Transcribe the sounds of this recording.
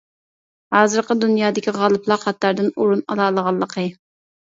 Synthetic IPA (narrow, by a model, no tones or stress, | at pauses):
hɑːzɨɾqəd̪unjɑːd̪ɪkʲiʁɑlˠɨplˠɑqɑt̪ːɑɾd̪ɪnuɾunɑ̰lˠɑːlˠəʁɑlˠːəqʰə